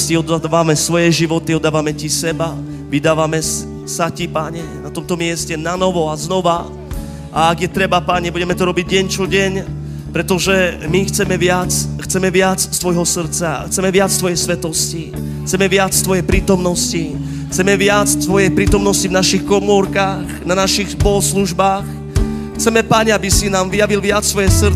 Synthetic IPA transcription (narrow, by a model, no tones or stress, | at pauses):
sciɔd̪aʋamɛsʋɔjɛʒiʋɔt̪iɔd̪ːaːʋamɛcisɛba | ʋid̪aːʋamɛ | sacipaɲɛnat̪ɔmt̪ɔmɪɛscɛnanɔʋɔaznɔʋa | ʔaːɡjɛt̪ɾɛbapaɲɛbuɟɛmɛt̪ɔɾɔbiɟɟɛɲt͡ʃɔɟɛɲ | pɾɛt̪ɔʒɛmixt͡sɛmɛʋɪat͡sxt͡sɛmɛʋɪat͡sst̪ʋɔjɦɔsr̩t͡sa̰xt͡sɛmɛʋɪat͡st̪ʋɔjɛjsʋɛt̪ɔsci | xt͡sɛmɛʋɪat͡st̪ʋɔjɛpɾiːt̪ɔmnɔsci | xt͡sɛmɛʋɪat͡st̪ʋɔjɛjpɾiːt̪ɔmnɔscivnaʃixkɔmɔɾkaːɣnanaʃixspɔlɔsluʒbaːx | xt͡sɛmɛpaɲɛabisinaːmvijaʋilʋɪat͡st̪ʋɔjɛsr